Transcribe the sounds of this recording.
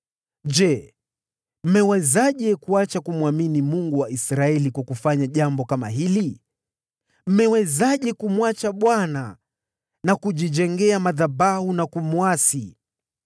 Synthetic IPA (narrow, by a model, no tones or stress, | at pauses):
d͡ʒɛ | m̩mɛwɛzaʄɛkuat͡ʃakumwaminimuŋɡuwaʔisɾaɛlikwakufaɲaʄambɔkama̰ɦili | m̩mɛwɛzaʄɛkumwat͡ʃaɓwana | nakuʄid͡ʒɛŋɡɛamaðabahunakumuasi